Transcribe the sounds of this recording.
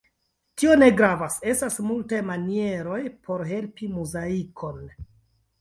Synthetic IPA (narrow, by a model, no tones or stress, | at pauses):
tio̞ne̞ɡɾavase̞stasmultajmanie̞ɾo̞jpʰo̞ɾɦe̞lpimuzaikʰo̞n